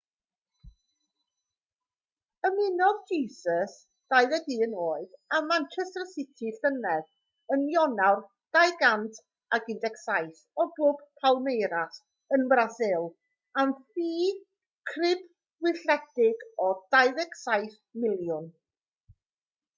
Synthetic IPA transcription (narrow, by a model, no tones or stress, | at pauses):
əmɪnɔvd͡ʒiːsəs | d̥ajðɛdiənoːɨðamant͡ʃʰɛstəsɪtʰiɬənɛð | ənjɔnawr | d̥ajɡantʰ | aɡɪndɛksajθ | ɔbʊbpʰawˠmejɾas | ənbrasɪlˠ | anθiː | kʰrɪb | wɪɬɛdɪɡɔd̥ajðɛksajθ | mɪlˠjʊn